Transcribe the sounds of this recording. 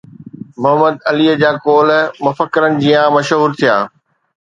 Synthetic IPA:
mʊɦəməd̪ɐliːəd͡ʑaːkoːlmʊfəkːɪɾənɪ̆d͡ʑijãmɐʃɦuːɾt̪ʰijaː

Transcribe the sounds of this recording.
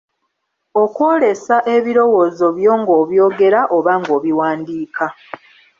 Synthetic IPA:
o̞kwo̞ːle̞saʔe̞βiɾo̞woːzo̞βjo̞ːŋɡoːβjo̞ːɡe̞ɾaʔo̞βaŋɡo̞ːβiwaːndiːkʰa

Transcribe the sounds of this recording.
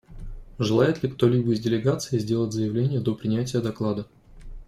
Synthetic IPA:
ʐɨlˠajɪt̪lʲɪkt̪o̞lʲibəɪzʲdʲɪlʲɪɡat̪sɨɪzʲdʲe̞lˠətʲzəjɪvlʲenʲɪjəd̪o̞pɾʲɪnʲætʲɪjəd̪ɐklˠad̪ə

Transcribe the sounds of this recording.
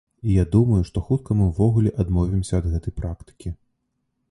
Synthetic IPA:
ijad̪umɐjuʂt̪ɔxut̪̚kɐmɨwvɔɣulʲɛʔad̪mɔvʲimsʲɐːd̪ɣɛt̪ɐjpɾakt̪ɨ̥kʲi

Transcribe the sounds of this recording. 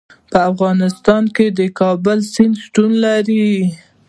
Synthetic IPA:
pəafɣɑnɪst̪ɑnked̪əkɑbʊlsɪnd̪sʈunlaɾi

